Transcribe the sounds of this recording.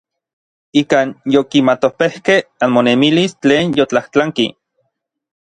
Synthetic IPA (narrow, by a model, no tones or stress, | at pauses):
ikaːnjokimat̪ohpehkehanmonemilist͡ɬeːnjot͡ɬaht͡ɬaŋkḭ